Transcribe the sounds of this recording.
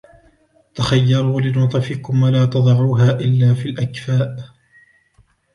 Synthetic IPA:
t̪axajːɑɾˤuːlɪnʊt̪ˤɑfɪkʊmwalaːt̪ɑd̪ˤɑʕuːɦaːʔɪlːaːfiːlʔakfaːʔ

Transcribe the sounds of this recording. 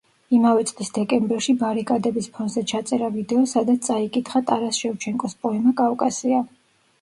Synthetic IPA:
imavɛt̪sʼlisd̪ɛkʼɛmbɛɾʃibaɾikʼad̪ɛbispʰɔnd̪zɛt͡ʃʰat̪sʼɛɾavid̪ɛɔsad̪at̪st̪sʼaikʼit̪ʰχat̪ʼaɾasʃɛvt͡ʃʰɛŋkʼɔspʼɔɛmakʼavkʼasia

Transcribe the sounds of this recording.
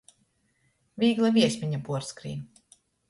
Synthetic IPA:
vʲiːɡlˠavʲiɛsʲmʲiɲapuɔɾskɾḭːn

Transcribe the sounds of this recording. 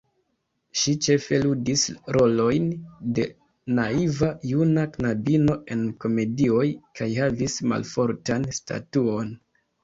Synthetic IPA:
ʃit͡ʃe̞fe̞ludisɾo̞lo̞jnde̞ | naivajunaknabino̞ʔe̞nko̞me̞dio̞jkʰajhavisma̰lfo̞ɾtansta̰tuo̞n

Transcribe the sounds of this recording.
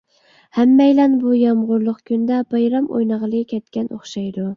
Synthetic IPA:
hæmːɛjlɛnbujɑmʁʊɾlˠʊqkʲʰynd̪ɛbɑjɾɑmo̰jnɑʁəlˠɨkʲʰɛt̪kʲɛnʔoχʃɑjd̪u

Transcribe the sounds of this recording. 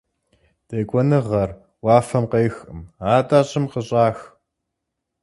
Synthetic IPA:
d̥eːkʷʼɔnɨʁɐr | wɑːfɐmqejxɨmaːtʼaːɕʼɪmqəɕʼaːx

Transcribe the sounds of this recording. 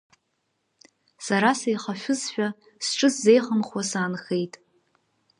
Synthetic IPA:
saɾasajχaʃʷᶣʊzħᶣa | sʈ͡ʂʼɨsːe̞jχəmχwasaːnχe̞jtʼ

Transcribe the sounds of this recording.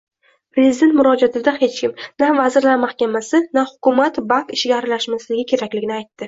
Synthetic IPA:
pɾe̞zid̪e̞nt̪mʊɾɒd͡ʒat̪ʰɪd̪ahe̞t͡ʃkʲɪmnavazɪɾlaɾmahkʲamasɪnahʊkʊmat̪baŋkɪʃɡʲaːɾɪlaʃmaslɪɡʲɪkʲʰe̞ɾakʲlɪɡʲɪnɪajt̪ːɪ

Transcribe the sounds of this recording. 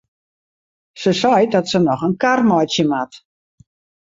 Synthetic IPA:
səsɔjdɔtsənɔxənkarmɔjtjəmat

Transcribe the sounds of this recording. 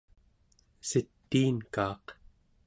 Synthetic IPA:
sit̪ːiːnkɑːq

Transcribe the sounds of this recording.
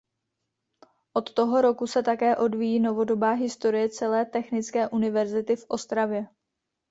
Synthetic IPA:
ʔo̞t̪ːo̞ɦo̞ɾo̞kusɛt̪akɛːʔo̞dvijiːno̞vo̞do̞baːɦɪst̪o̞ɾɪjɛt͡sɛlɛːt̪ɛxnɪt͡skɛːʔunɪvɛɾzɪt̪ɪfʔo̞st̪ɾavjɛ

